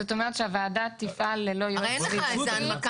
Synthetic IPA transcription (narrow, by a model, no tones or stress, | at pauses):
ot̪o̞meʁet̪ʃeavaːdat̪ːifʔalːelo̞joʁi